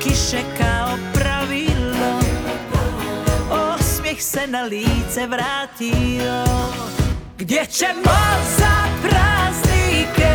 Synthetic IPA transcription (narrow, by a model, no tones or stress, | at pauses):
kiʃɛkaɔpɾavilɔ | ɔsmjɛxsɛnaliːt͡sɛʋɾaːtilɔ | ɡdɛt͡ʃɛmɔzapɾaznik